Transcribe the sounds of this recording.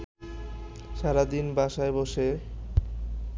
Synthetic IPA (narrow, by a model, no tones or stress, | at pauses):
ʃaɾad̪inbaʃaeboʃe